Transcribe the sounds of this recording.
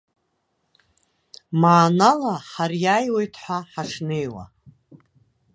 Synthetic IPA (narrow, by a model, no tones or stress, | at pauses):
maːnalaħarjajwe̞jtʰħʷaħaʂne̞jwa̰